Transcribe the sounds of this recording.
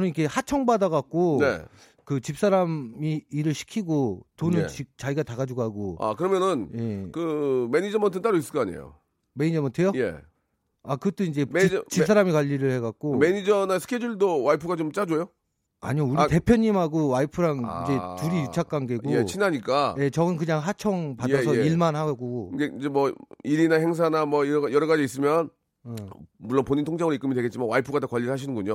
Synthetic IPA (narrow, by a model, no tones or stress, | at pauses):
t͡ɕʌnɯnikʰehat͡ɕʰʌŋbadaɡak̚k͈one̞̰ | kɯt͡ɕip̚s͈aɾamiːɾɯɭɕʰi̥kʰiɡotonɯnt͡ɕik̚t͡ɕaiɡataɣad͡ʑuɡoɦaɡoa̰kɯɾʌmjʌnɯnje̞kɯmeɲid͡ʑʌmʌntʰɯnt͈aɾois͈ɯ̥k͈aɲḛjo̰ | meɲid͡ʑʌmʌntʰe̞joje̞̰ | akɯt͈oind͡ʑe̞it͡ɕis͈ʰaɾamikwaʎːiɾɯɭhe̞ɡak̚k͈omeɲid͡ʑʌnasʰɯ̥kʰed͡ʑuɭdowaipʰɯɡat͡ɕomt͡ɕ͈ad͡ʑojo | a̰ɲiouɾite̞pʰjʌɲːimɦaɡowaipʰɯɾaŋind͡ʑe̞tuɾijut͡ɕʰak͈aŋɡe̞ɡoet͡ɕʰinaɲik͈aje̞t͡ɕʌɡɯnkɯɲaŋɦat͡ɕʰʌŋpadʌsʰʌiɭmanhaɡoɯɡeind͡ʑemwʌiɾinahe̞ŋs̬ʰanamwʌiɾjʌɾʌɣad͡ʑiːs̬͈ɯmjʌn | muɭːonpoɲintʰoŋd͡ʑaŋɯɾoik͈ɯmidweɡett͡ɕ͈imanwaipʰɯɡadokwaʎːiɾɯɭɦaɕ̬ʰinɯnɡuɲo